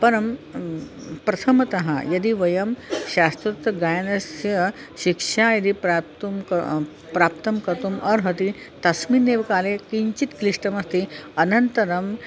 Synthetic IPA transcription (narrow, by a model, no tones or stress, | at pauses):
pɐɾɐm | pɾɐt̪ʰɐmɐt̪ɐɦa̰jɐd̪iʋɐjɐmɕast̪ɾut̪ɡajnɐsjɐɕikʂajɐd̪ipɾat̪um | pɾaːpt̪ɐmkɐɾt̪umɐɾɦɐt̪i | t̪ɐsminːeʋkaːlekiɲt͡ɕit̪kliʂʈɐmɐst̪iɐnɐnt̪ɐɾɐm